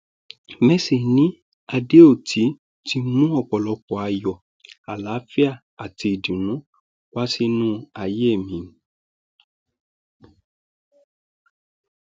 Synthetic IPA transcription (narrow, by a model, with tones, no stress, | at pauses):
mɛ˦se˨nĩ˨˦ | a˧de˦o˦˨tʰi˨˦ | ti˧˦mũ˦ɔ˧˨k͡pɔ˨lɔ˧˦k͡pɔ˨a˧jɔ˨ | a˨la˨˦fi˦a˦˨ | a˨ti˧i˨dĩ˨nũ˨˦ | wa˦si˦nũ˦a˨je˦˨mĩ˨˦ñ̩˦